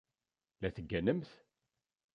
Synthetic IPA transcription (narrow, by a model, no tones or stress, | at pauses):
læθəɡːænəmθ